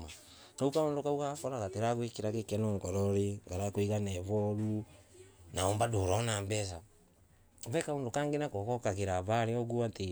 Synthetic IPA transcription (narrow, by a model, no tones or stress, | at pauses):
ma | naukaoːndokaukakɔɾaɣateɾaɣwekiɾakekɛnoːŋɡɔɾɔɾiŋɡaɾakwiɣanɛβɔɾu | naɔːmbadoːɾɔnaːmbɛs̬a | βɛkaoːndokaːŋɡenakɔkɔkaɣeɾaβaɾeɔɡuate